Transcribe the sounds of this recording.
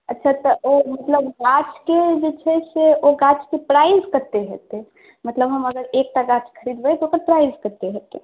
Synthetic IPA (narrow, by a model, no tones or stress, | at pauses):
ətːʃʰat̪ɔomət̪ləbɡat͡ʃʰked͡ʒet͡ʃʰɛseoɡat͡ʃkepɾajzkəɾt̪eɦḛt̪e | mət̪ləbɦəməɡəɾek̚ʈ̪aɡat͡ʃkʰəɾid̪bɛt̪ookəɾpɾajzkəɾt̪eɦet̪e